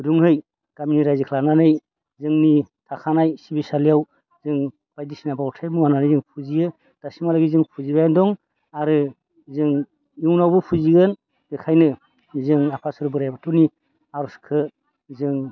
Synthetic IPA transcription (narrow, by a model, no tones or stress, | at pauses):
duŋhɯj | ɡ̥aminiɾajzikʰlananɯj | zɯŋnitʰakʰanajsibisalijaw | zɯŋ | b̥ajdisinabawɔtʰajmuwananɯjzɯŋpʰuzijɯ | d̥asimalaɡizɯŋpʰuzibajandɔŋ | aɾɯ | zɯŋ | uwnawbɯpʰuziɡɯn | b̥ekʰajnɯ | zɯŋapʰasɯɾbɯɾajbatʰɔni | aɾɔskʰɯ | zɯŋ